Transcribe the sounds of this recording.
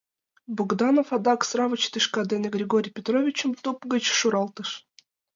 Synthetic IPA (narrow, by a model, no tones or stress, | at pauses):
buɡd̪ɑnofɑd̪ɑksɾɑvət͡ɕt̪ɨʃkɑd̪ʲenʲeɡɾʲeɡoɾʲijpʲet̪rovʲit͡ɕə̆mt̪upɡə̆t͡ɕʃuɾɑlˠt̪ɤʃ